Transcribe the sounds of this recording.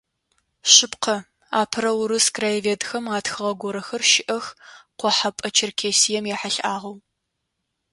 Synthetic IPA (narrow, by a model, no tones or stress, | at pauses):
ɕɪpqʰɐ | a̰ːpʰɨɾɐwʊɾɨskraːjveːdxɐmaːtxɨʁɐɡʷɔɾɐxɐrʃɪʔɐxqʷɔħapʼɐt͡ʃʰɪrkʰeːsijɛmjaːħaɬʔaːʁɐw